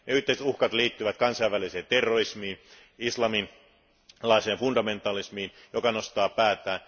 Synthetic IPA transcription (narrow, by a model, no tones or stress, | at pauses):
neyht̪eˑiset̪uhkɑt̪liːt̪ːyʋæt̪kɑnsɑiʋʋæliseːnt̪erːorismiːn | islɑmin | lɑiseːnfundɑment̪ˑɑlismiːn | jokɑnost̪ɑːpæːt̪ˑæːn